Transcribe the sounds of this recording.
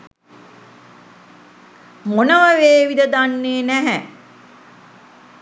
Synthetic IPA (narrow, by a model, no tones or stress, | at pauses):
monəʋəʋeːʋid̪əd̪anːeːnæɦæ